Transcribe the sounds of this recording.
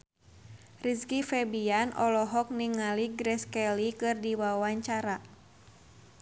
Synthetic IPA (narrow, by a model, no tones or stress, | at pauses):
riskifɛbianɔlɔɦɔk̚niŋaliɡɾɛskɛlikɨrdiwawaɲt͡ʃaɾa